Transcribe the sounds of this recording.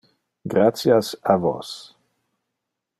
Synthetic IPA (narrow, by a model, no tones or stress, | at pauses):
ɡɾat̪sjasavo̰s